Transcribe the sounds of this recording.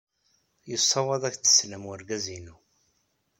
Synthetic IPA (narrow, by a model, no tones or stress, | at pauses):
jəsˤːɑwɑðˤækt͡sːə̥sləməɾɡæzinu